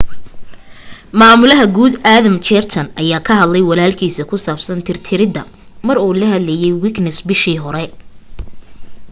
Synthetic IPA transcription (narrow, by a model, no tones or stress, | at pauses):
maːmʊlɐɦɐɡuːd̪aːðɐmt͡ʃɛrt̪ʰɐnʔɐjaːkʰɐɦɐd̪lɛjwɑlaːlkʰiːsɐkʰʊsaːbsɐnt̪ʰɪrt̪ʰɪɾɪd̪ɐ̰ | mɐɾuːlɐɦhɐd̪lɛjɛjwɪknɛsbɪʃiːɦɔɾɛ